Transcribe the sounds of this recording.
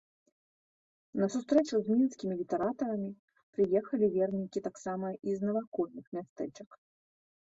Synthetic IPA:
nɐsust̪ɾɛt͡ʂuzʲmʲinskʲimʲilʲit̪ɛɾat̪ɐɾɐmʲi | pɾɨjɛxɐlʲivʲɛrnʲikʲit̪aksamɐʔiznɐvakɔlʲnɨxmʲast̪ɛt͡ʂɐk

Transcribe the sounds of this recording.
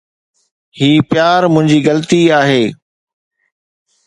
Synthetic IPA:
hiːpjaːɾmʊ̃ɦɪ̃ɲd͡ʑiːɣɐlət̪iaːɦeː

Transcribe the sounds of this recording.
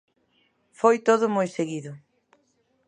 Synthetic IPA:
fojt̪oðʊmojseɣiðʊ

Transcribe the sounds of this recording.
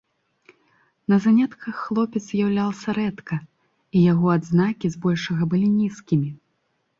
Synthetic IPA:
nɐzanʲɛt̪kʰɐxːlˠɔpʲɛt̪zzʲjawlʲalˠsʲɐɾɛt̪kɐ | ijaɣɔad̪znakʲizbɔlʲʂɐɣɐbɨlʲinʲiskʲimʲi

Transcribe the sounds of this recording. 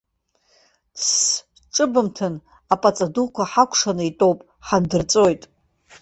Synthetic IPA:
s | ʈ͡ʂʼɨbɨmtʰɨn | apʼat͡sʼadukʷʰaħakʷʰʂanɨitʼo̞wpʼ | ħandɨrt͡sʼo̞jtʼ

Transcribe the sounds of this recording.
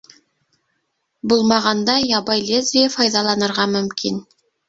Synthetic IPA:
bʊlˠmɑʁɑnd̪ɑjɑbɑjlezepʰɑjd̪ɑlˠɑnɤ̆ɾʁɑmʏmkʰʲɪn

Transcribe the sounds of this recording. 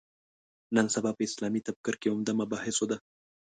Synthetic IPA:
nənsabɑpəɪslɑmit̪ab̚kɪɾkeʊmd̪amabɑhɪsod̪a

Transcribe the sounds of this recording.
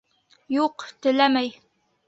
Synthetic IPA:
juqt̪ɘ̆læmæj

